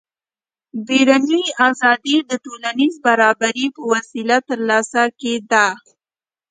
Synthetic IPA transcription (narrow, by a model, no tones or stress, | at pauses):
beɾanijazɑd̪id̪əʈolanizbaɾɑbaɾipəwasilat̪ːəɾlɑsaked̪a